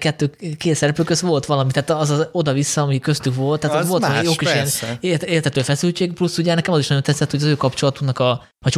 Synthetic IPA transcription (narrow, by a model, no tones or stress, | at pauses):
kɛt̪ːøːkeːt̪sɛɾɛpøːkøsʋo̞lt̪ʋɒlɒmit̪aːt̪ɒzɒo̞d̪ɒvisːɒːmikøst̪ykʋo̞lt̪ːaːt̪ɔzʋo̞lt̪joːkiʃɛnereːrt̪ɛt̪øːfɛsylt͡ʃeːɡplusːuɟɛnɛkɛmɒziʃnɒɟo̞nt̪ɛt̪sːɛt̪ho̞ɟɒzøːkɒpt͡ʃo̞lɒt̪uknɒkɒ | hɒc